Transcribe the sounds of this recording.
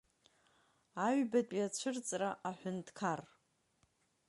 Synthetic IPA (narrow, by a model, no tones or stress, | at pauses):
aɥbatʼjat͡ɕʷʰɨrt͡sʼraʔaħʷᶣʊntʰkʰar